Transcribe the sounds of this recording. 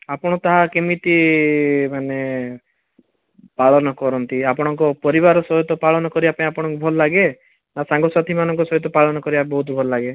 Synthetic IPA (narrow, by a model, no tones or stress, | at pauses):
apɔɽ̃ɔt̪aɦakemit̪i | mane | paɭɔnɔkɔɾɔnt̪iapɔɽ̃ɔŋkɔpɔɾiβaɾɔsɔɦɔt̪ɔpaɭɔnɔkɔɾibapapɔɽɔŋkubʱɔlɔlaɡe | nasaŋɡɔswat̪ʰimanɔŋkɔsɔɦɔt̪ɔpaɭɔnɔkɔɾibabɔɦut̪bʱɔlɔlaɡe